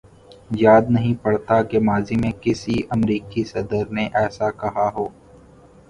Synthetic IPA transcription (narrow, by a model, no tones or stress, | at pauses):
jaːd̪nɐɦĩpɐɽt̪akemaːzimẽkɪsiʔɐmɾiːkisɐd̪əɾneʔɛːsakɐɦaɦoː